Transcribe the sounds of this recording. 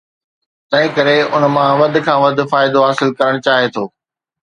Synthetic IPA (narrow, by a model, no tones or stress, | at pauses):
t̪ɐ̃ɦɪ̃kɐɾeʊnmãʋɐd̪̆ʱkʰãːʋɐd̪̆ʱfaːɪd̪oɦaːsɪlkɐɾəɽ̃ʊt͡ɕaːɦet̪ʰoː